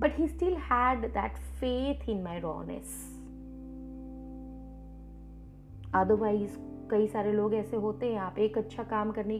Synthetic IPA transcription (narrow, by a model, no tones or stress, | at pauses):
bɐʈɦiːsʈɪlhæɖd̪æ̰ʈfeːt̪ʰɪ̃nmaɪɾɔ̰̃ːŋnḛs | ɔːd̪əɾʋaːiz | kɐisaːɾeloːɡɛːseɦoːt̪eɦɛ̃aːpeːkɐtːʃʰakaːmkɐɾne